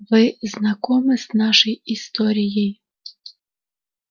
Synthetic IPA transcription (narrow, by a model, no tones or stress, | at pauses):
ʋɪznɐkɔmɪznɑʃɔjist̪ɔɾʲijij